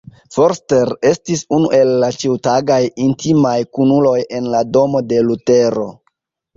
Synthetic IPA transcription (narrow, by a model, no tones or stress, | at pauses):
fo̞ɾste̞ɾe̞stisunṵʔe̞lːat͡ʃiwtaɡajintimajkunulo̞je̞nlado̞mo̞de̞lute̞ɾo̞̰